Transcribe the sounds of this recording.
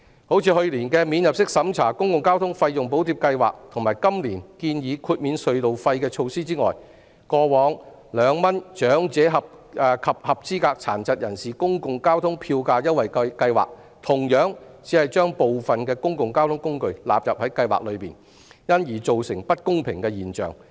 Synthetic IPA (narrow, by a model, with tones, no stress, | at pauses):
ho˨˥wt͡sʰiː˨˧hɵ˧ɥliː˨˩nkɛː˧miː˨˧njɐ˨p̚sɪ˥k̚sɐ˨˥mt͡sʰaː˨˩kʊ˥ŋkʊ˨ŋkaː˥wt̪ʰʊ˥ŋfɐ˧jjʊ˨ŋpo˨˥wt̪iː˧p̚kɐ˧jwa̰ː˨˩k̚t̪ʰʊ˨˩ŋmaː˨˩jkɐ˥mliː˨˩nkiː˧njiː˨˧kʰuː˧t̚miː˨˧nsɵ˨˧ɥlo˨wfɐ˧jkɛː˧t͡ʃʰo˧wsiː˥t͡siː˥ŋɔː˨j | kɔː˧wɔː˨˧ŋ | lœː˨˧ŋmɐ˥nt͡ʃœː˨˥ŋt͡sɛː˨˥ɦɐ˨p̚ː | kʰɐ˨p̚hɐ˨p̚t͡siː˥kaː˧k̚t͡sʰa̰ː˨˩nt͡sɐ˨t̚jɐ˨˩nsiː˨˩kʊ˥ŋkʊ˨ŋkaː˥wt̪ʰʊ˥ŋpʰiː˧wkaː˧jɐ˥n̚wɐ˨jkkɐ˧jwa̰ː˨˩k̚ | t̪ʰʊ˨˩ŋjœː˨˥ŋt͡siː˨˥hɐ˨jt͡ʃœː˥ŋpo˨wfɐ˨˩nkɛː˧kʊ˥ŋkʊ˨ŋkaː˥wt̪ʰʊ˨˥ŋkʊ˥ŋkɵ˧ɥla̰ː˨p̚jɐ˨p̚hɐ˨˥jkɐ˧jwa̰ː˨k̚lɵ˨˧ɥpiː˨n | jɐ˥njiː˨˩t͡so˨wsɪ˨˩ŋpɐ˥t̚kʊ˥ŋpʰɪ˨ŋkɛː˧jiː˨˩nt͡ʃœ̰ː˨˩ŋ